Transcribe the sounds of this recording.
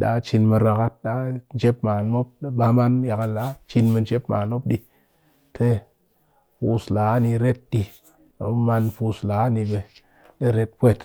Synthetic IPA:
ɗa̰˨˦t͡ʃi˧nmɨ˧ɾa˧ka˦t̚ɗa˦n˨d͡ʒe˦pma˨nmo˦p̚ɓa˧ma˦nja˨ka˨lːa˨˦t͡ʃi˧nmɨ˧nd͡ʒe˦pma˨nmo˦p̚ɗi˧ | tʰe˦ | pu˧sla˨˦ni˧ɾe˦t̚ɗḭ˧˨˦ | ma˧npu˧sla˨˦ni˧be˧ | ɗe˦ɾe˦t̚pʷe˦˨t

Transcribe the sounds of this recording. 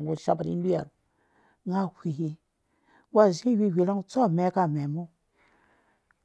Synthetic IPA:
wu˨ʃa˦ba˨ɾḭ˦bi˦a̰˨ɾ | ŋa˦hʷi˨hi˦ | wa˦˨zĩ˦wi˦˨wi˨˦la˦ŋ˦t͡so˦˨me˦ka˨me˨mu˦

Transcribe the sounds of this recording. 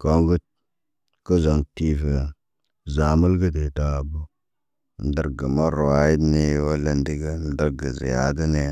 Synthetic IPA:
ko˦ŋɡu˦t̚ | kə˦zo˨ŋti˦fə˨ | za˨mə˦lɡə˦de˨ta˦˨bu˦ | n̩˦də˦ɾɡə˨ma˦ɾwa˨˦ji˦ni˦wo˦lə˨ndi˦ɡə˦n̩˦də˦ɾɡə˨zḭ˨ja̰˦də˦ne˨

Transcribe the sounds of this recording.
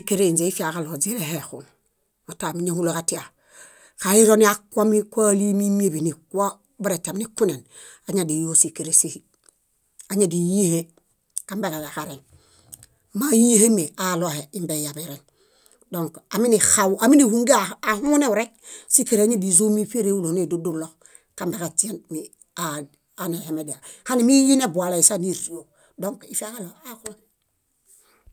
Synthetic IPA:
i˦ke˦ɾe˦i˨nd͡ʒe˨i˦fi˦a˨ka˨lo˨d͡ʒi˦ɾe˨he˨xṵ˨n | o˨ta˨mi˦ɲe˦hu˦lo˨ka˦ti˦a˨ | ka˨i˦ɾo˦ni˦a˦kʷa˦mi˦kʷa˦li˦mi˦mi˦e˦˨bi˨ni˨kwa˦ | bu˦ɾe˨ta˨mi˦ni˦ku˦ne˨n | a˨ɲa˨di˨jo˦si˨ke˨ɾe˨si˦hi˦ | a˨ɲa˦˨di˨ji˦he˦ | ka˦mbe˨ke˨ka˨ka˨ɾe˨n | ma˦ji˦he˦me˨a˨lo˨he˨i˦mbe˨ja˨be˨ɾe˨n | do˦˨ŋka˨mi˦ni˨xa˨wa˨mi˦ni˨hu˨ŋɡa˨a˨hu˦ne˦wu˨ɾe˦k̚si˦ke˨ɾe˨a˦ɲe˦di˨zo˦mi˦fe˦ɾe˦wu˦lo˨ni˦˨du˦du˦lo˦k | ka˦mbe˨ka˨ti˦e˦nmi˨ | a˨ | a˨˦ne˨he˨me˨di˨a˨ha˦ni˨mi˦ji˦ne˦bu˨a˨la˨i˨sa˦ni˦ɾi˨o˨ | do˦ŋki˨fe˦a˦ka˦lo˨a˦ku˦lo˦

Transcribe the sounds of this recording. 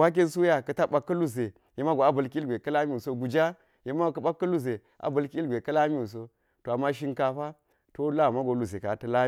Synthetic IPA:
wa˦k̬e˦nsu˦ja˦˨kɐ˨ta˦ɓa˨kːɐ˦lu˦ze˨ | je˦ma˦ɡo˨a˦bɐ˨lkʲlɡʷe˨kɐ˦la˦mi˦u˨so˦ɡu˨d͡ʒa˦ | je˦ma˦˨kɐ˦ɓa˦kːɐ˦lu˦ze˨ | ʔa̰˨bɐ˨lki˦i˦lɡʷe˨kɐ˦la˦mi˦wu˨s̬o˦ | to˨a˨mːa˦ʃ̬i˦ŋka˨ɸa˦ | to˦la˦˨ma˦ɡo˨lu˨ze˨ka˨tɐ˨la˦

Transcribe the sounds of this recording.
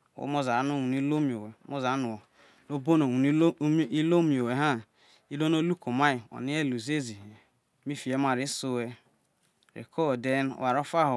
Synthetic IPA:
o̰˦mo˦za˨˦no˦˨wu˨n˦i˦lo˦mi˨o˨we˨˦mo˦za˨˦nu˨ | no˦bo˦no˨u˨n˦i˦lo˦mi˨o˨we˨ɦa˦ | i˦lo˦no˦lu˦ko˨ma˦i˨o̰˨ni˦e˦lu˨ze˦zi˨e˨˦ | mi˦fi˨e˦ma˨ɾi˦so˦we˦ | ɾḛ˨kʰo˦˨de˦n̰˨wa˨ɾo˦fa˦ɦo˨

